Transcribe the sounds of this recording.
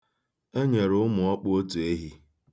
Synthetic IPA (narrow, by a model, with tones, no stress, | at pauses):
e˦ɲe˨ɾʊ˦ʊ˦mʊ˨ɔ˦k͡po˦tu˨e˦ɦi˦